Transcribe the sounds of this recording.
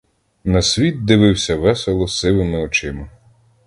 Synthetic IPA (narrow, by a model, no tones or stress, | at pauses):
nɐsʲʋʲit̪̚d̪ɪʋɪwsʲɐʋɛselˠɔsɪʋɪmɪɔt͡ʃɪmɐ